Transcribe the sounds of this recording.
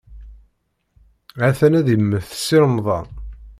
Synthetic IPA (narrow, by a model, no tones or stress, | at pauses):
æθænæðjəmːəθθə̥sːiɾəmðˤɑ̰n